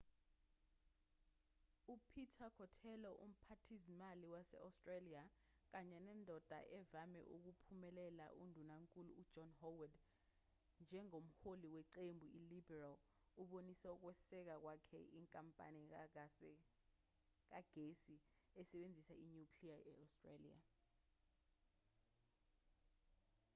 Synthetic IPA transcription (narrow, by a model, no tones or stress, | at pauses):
upʰitʰakʰɔtʰɛlɔʔum̩pʰatʰizimaliwasɛ̰astʼraliak̬aɲɛnɛndʱɔd̥ʱa̰ʔɛvamɛ̰ʔuk̬upʰumɛlɛla̰ʔundʱunaŋkʼuluːd̥d͡ʒɔnhɔwad | nd͡ʒʱɛŋom̩holiwɛǀembʱuilibɛral | uɓonisɛuk̬wɛsɛk̬ak̬wakʰɛ̰iŋkʼampʼa̰ni | k̬aɡ̥ʱesiɛsɛɓend͡zʱisaiɲukʰliaɛastʼrelḭa̰